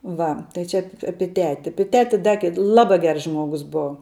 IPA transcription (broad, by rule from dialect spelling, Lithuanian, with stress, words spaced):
ˈʋɐ tɐɪ ˈt͡ʃʲɛ ɐp ˈɑːpʲɪ ˈtʲæːtʲɪ ˈɑːpʲɪ ˈtʲæːtʲɪ ˈdɐ kʲɛt ˈlˠɑːbɐ ˈɡʲɛrs ˈʒmuɔɡʊs ˈboːʋɐ